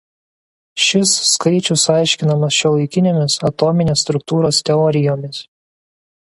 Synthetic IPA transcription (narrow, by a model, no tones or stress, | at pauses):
ʃʲɪsːkɐɪt͡ʃʲʊsɑˑɪʃʲkʲɪnɐmɐsʃʲɛlˠɐɪkʲɪnʲemʲɪsɐt̪ɔmʲɪnʲeːsːt̪ɾʊkt̪uːɾoːst̪ʲɛɔɾʲɪjoːmʲɪs